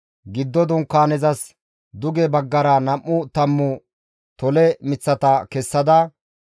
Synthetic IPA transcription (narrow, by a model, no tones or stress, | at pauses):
ɡɪd̪ːɔd̪ʊŋkːaːnɛzɐs | d̪ʊɡɛbɐɡːɐɾɐnɐmːʊt̪ɐmːʊ | t̪ɔlɛmɪt͡sːɐt̪ɐkɛsːɐd̪ɐ